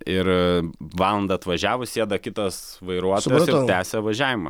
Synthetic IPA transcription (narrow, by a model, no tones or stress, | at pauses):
ɪɾʋɑːlˠɐnd̪ɐɐt̪ʋɐʒʲæːʋʊsʲiɛd̪ɐkʲɪt̪ɐs | ʋɐɪɾuɔt̪ojɛsɪt̪ʲæːsʲɛʋɐʒʲæːʋʲɪmɐ̰